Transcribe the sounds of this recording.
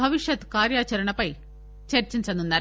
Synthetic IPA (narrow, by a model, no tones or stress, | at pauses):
ɐʋiʂjɐt̪kaːɾjaːt͡ʃɐɾɐɳɐpɐj | t͡ʃɐɾt͡ʃiɲt͡ʃɐnunːaːɾ